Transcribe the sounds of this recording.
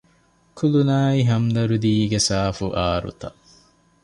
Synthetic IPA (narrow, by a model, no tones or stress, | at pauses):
kʰulunaːiɦɐmd̪ɐɾud̪iːɡesaːfuʔaːɾṵt̪ɐ